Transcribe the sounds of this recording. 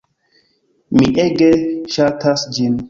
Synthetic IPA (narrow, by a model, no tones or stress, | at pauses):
miʔeɡeʃatʰasd͡ʒin